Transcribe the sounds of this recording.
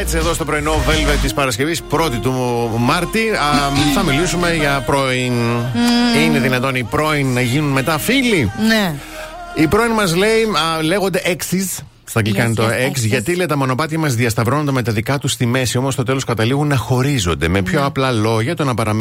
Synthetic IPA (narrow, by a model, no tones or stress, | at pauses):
et͡sie̞ðost̪o̞pɾo̞ino̞velvet̪ispɐɾɐsce̞vispɾo̞t̪it̪umɐɾt̪iθɐmilisume̞ʝɐpɾo̞in | ine̞ðinɐt̪o̞nipɾo̞inːɐʝinunme̞t̪ɐfiline | ipɾo̞inmɐzle̞ile̞ɣo̞nd̪e̞ʔeksiz | t̪ɐklikɐnit̪oeksʝɐt̪ilet̪ɐmo̞no̞pɐt̪iɐmɐzðiɐst̪ɐvɾo̞nond̪eme̞t̪ɐðikɐt̪ust̪ime̞siomost̪o̞t̪e̞lo̞skɐt̪ɐliɣunːɐxo̞ɾizo̞nd̪e̞me̞pço̞ɐplɐlo̞ʝɐt̪onɐpɐɾɐm